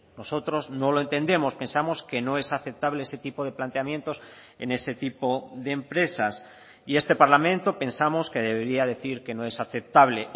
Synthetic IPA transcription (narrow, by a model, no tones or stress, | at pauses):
no̞so̞t̪ɾo̞znoloe̞nt̪e̞nd̪e̞mo̞spe̞nsamo̞ske̞no̞e̞saθe̞p̚t̪aβle̞ese̞t̪ipoð̞eplant̪eamjẽ̞nt̪o̞s | e̞̰ne̞se̞t̪ipo̞ðe̞ːmpɾe̞sas | ie̞st̪e̞paɾlamẽnt̪o̞pe̞nsamo̞ske̞ðe̞βeɾiaðe̞θiɾke̞no̞e̞saθe̞p̚t̪aβ̞le̞